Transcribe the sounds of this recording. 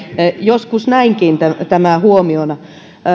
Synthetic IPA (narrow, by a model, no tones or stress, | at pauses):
joskusnæiŋkint̪æt̪æmæˑhuomionɑ